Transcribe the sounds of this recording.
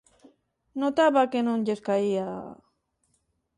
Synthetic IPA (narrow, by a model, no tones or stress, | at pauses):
not̪aβakenonʎeskaia